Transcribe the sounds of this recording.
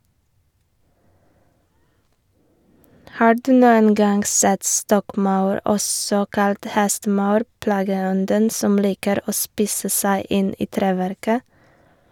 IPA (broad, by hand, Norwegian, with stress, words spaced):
ˈhɑː ˈɖʉː ˈnuːən ˈɡɑŋɡ ˈsɛt ˈstɔkˌmɑʉɹ ˈʔɔsɔ ˈkɑlt ˈhɛstəˌmɑʉɾ ˈplɑːɡəˌɔndən ˈsɔm ˈliːkəɾ ˈoː ˈspiːsə ˈsæɪ ˈɪn ˈiː ˈtɾeːʋæɾkə